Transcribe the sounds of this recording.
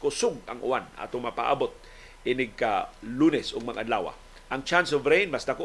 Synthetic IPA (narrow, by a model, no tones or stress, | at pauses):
kʊsʊɡ̚a̰ŋʔʊ̰anʔa̰ːt̪ʊŋmɐpa̰ʔa̰bot̪̚ | ʔɪnɪɡ̚kalunɛsʊɡ̚maŋʔanlaːwa̰ | ʔɐŋt͡ʃansovɾejnmasd̪ako